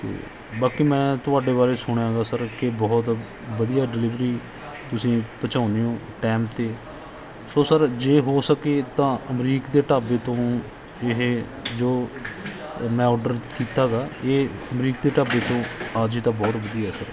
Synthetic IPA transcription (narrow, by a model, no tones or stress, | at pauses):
t̪ḛː | baːkiːmɛ̃ːt̪ʊaːɖeːβaːɾeːsʊɽ̃jãːɡaːsəɾkebɔːt̪ | ʋəd̪ijaːɖɪliːʋɾiː | t̪ʊsĩːpət͡ʃaːʊniːõːʈɛ̃ːmpt̪eː | soːsəɾd͡ʒeːɦoːsəkeːt̪ãːəmɾiːkd̪eːʈaːbeːt̪õː | ɪɦ | d͡ʒoː | mɛ̃ːɔːɖəɾkiːt̪aːɡaːeːəmɾiːk̚d̪eːʈaːbeːt̪õːaːd͡ʒiːt̪ãːbɔːt̪ʋəd̪ijaɦɛːsəɾ